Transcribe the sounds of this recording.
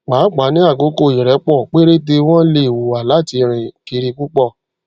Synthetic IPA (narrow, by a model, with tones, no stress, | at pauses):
k͡pa˨˦k͡pa˨˦nĩ˦a˦˨ɡo˨˦ko˦˨ɛ˨ɾɛ˨˦k͡pɔ˦˨k͡pe˦ɾe˦de˧w̃ɔ̃˦le˦˨wo˨a˨la˨˦˨ti˧ɾ̃ĩ˨ki˧ɾi˧ku˦k͡pɔ˦˨